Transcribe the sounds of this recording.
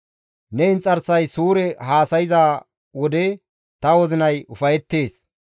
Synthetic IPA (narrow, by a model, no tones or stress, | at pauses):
nɛɪnt͡sʼɐɾsɐjsuːɾɛɦaːsɐjɪzaː | wɔd̪ɛ | t̪ɐwɔzɪnɐjʊfɐjɛt̪ːe̞ːs